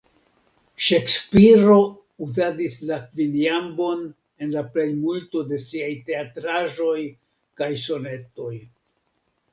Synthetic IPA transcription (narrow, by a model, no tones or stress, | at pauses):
ʃe̞kspiɾo̞ | uzadislakviniambo̞n | e̞nlaple̞jmulto̞de̞siajte̞atɾaʒo̞j | kajso̞ne̞to̞j